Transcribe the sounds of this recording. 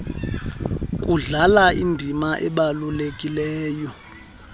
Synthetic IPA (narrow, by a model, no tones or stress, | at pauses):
kʼuɮalaindʱimaʔɛ̰ɓalulekʼilɛːjɔ